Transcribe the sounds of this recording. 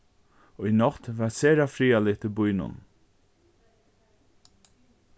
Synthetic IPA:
ɔinɔt̪ʋæseːɾafɾiːalɪt̪ʰɪlbʊjnʊ̰n

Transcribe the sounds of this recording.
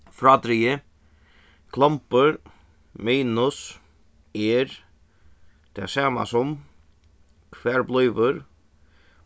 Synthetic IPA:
fɾɑd̪ɾiə | kʰlˠɑmpəɾ | miːnʊs | ɛɾ | d̪̥ɛ̰ːsaːma̰sɔm | kʰʋɛːɾblœʏʋəɾ

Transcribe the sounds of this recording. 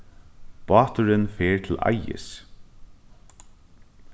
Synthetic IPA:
pɑːt̪ʊɾɪnfeːɹt̪ʰɪla̰jɪ̰s

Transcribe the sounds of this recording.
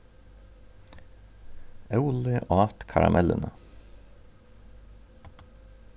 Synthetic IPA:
ɑʉlɪʔɑːt̪kʰɑɾɑmʔɛlənə

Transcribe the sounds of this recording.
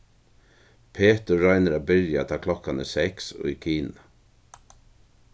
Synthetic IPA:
pʰeːt̪əɹaɪnəɾabɪɾjat̪ʰɑːkʰlɔkːanəsɛksʊ̰jkʰiːna

